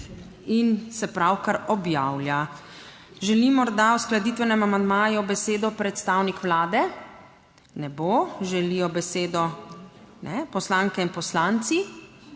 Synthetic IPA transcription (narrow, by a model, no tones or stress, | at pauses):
insɛpɾawkaɾɔbjawlja | ʒɛlimɔɾd̪awsklad̪it̪ʋɛnɛmamand̪maːjubɛseːd̪ɔpɾɛt̪st̪aːwnikʋlaːd̪ɛ | nɛboʒɛlijɔbɛseːd̪ɔ | nʔɛpɔslaŋkɛinpɔslaːnt̪si